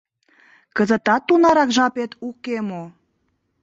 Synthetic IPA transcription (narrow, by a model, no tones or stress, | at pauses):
kəzət̪ɑt̪ːunɑɾɑkʒɑpet̪ukemo